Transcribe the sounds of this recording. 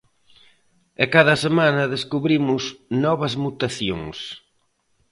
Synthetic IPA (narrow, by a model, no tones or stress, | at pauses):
ɛkaðɐsemãnɐðeskuβɾimʊznɔβɐzmut̪aθjoŋs